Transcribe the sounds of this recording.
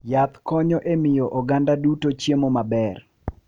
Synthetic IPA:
jat̪kɔɲɔʔemɪjɔʔɔɡandadutot͡ʃjemomabɛr

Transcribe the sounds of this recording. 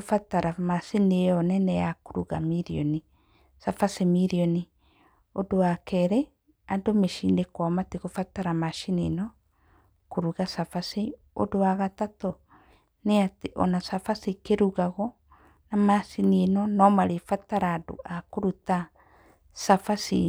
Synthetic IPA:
ofataɾamasinejɔnɛnɛjakoɾuɣa̰miɾiɔni | safasemiɾiɔni | odowakɛɾɛ | adomeʃindekwamateɣofataɾamaʃinenɔ | koɾuɣasafase | o̰dowaɣatatɔ | neateʔɔ̰nasafasikeɾuɣaɣɔ | namasinienɔnɔmaɾefataɾaːdo̰ʔakoɾuta | safasḭ

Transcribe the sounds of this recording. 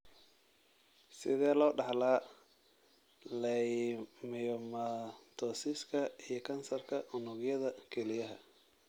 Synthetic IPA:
sɪðɛːlɔːɖɑħlaː | lɛjmɪjɔmɐt̪ʰɔsɪskʰɐijɞkʰɐnsɐrkʰɐʊnʊɣjɐðɐkʰɛlɪjɐɦɐ

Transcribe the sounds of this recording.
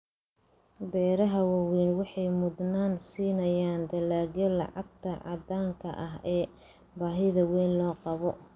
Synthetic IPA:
bɛːɾɐɦɐwawɛːnwɑħɑjmʊd̪naːnsiːnɐjaːnd̪ɐlaːɡjɔlɑ̰ʕɑɡ̚t̪ʰɐʕɑ̰d̪aːŋkʰɐ̰ʔɐɦɛː | baːɦɪðɐwɛjnlɔːqɑβɔ

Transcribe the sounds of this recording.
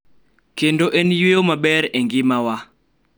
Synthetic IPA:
kendoʔenjweomabɛɾeŋɡɪmawa

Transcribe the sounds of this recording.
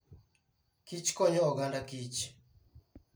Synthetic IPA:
kit͡ʃkɔɲɔɔɡandakit͡ʃ

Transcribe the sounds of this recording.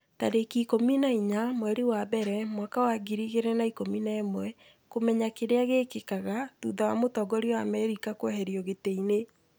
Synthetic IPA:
ta̰ɾekikominaiɲamwɛɾiwabɛɾɛmwakawaɡiɾiɣeɾɛnaikominaɛmwɛ | komɛɲakeɾeaɣekekaɣatṵːðawamotɔɡɔɾiɔwamɛɾikakwoɦɛɾjɔɣeteine

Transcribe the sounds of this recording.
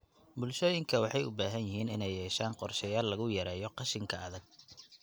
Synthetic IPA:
bʊlʃɔːjɪŋkʰɐwɑħɑjʊ̰baːɦɐnjɪɦiːnɪnɛjːɛːʃaːnqɔrʃɛjaːlːɐɣʊjɐɾɛːjɔqɑʃɪŋkʰɐɐðɐɡ̚

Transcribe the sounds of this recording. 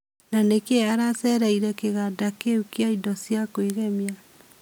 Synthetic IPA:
nanekeaɾasɛɾaiɾɛkeɣadakeukeaidɔsjakoeɣɛmja

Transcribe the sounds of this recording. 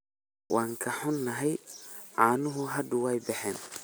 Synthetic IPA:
wʔɑːŋkʰɐħʊnːɐɦɛjʕaːnʊɦʊɦɐd̪ʊwɛjbɛħɛːn

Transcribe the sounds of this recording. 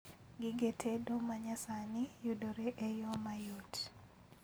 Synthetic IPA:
ɡɪɡetʰedomaɲasanɪjudoɾeʔejɔmajot

